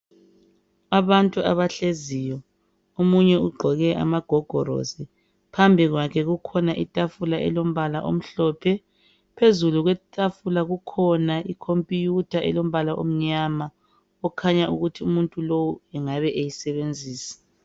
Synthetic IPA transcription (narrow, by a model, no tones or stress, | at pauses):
aβantʼua̰βaɬeziːjɔ | omuɲɛuɡ͡ǃʱɔɣɛʔa̰maɡ̥ʱɔɡ̥ʱɔɾo̰zi | pʰambʱiɣwakʰɛɣukʰɔnaʔitʼafulaʔɛ̰lom̩βalaʔo̰m̩ɬɔːpʰɛ | pʰezuluɣwɛtʼafulaɣukʰɔnaikʰompʼijutʰaʔɛlom̩βalaʔo̰m̩ɲama | ɔkʰaɲaʔuɣutʰiumuntʼulowuɛŋaβɛʔejisɛβend͡zʱiːsi̥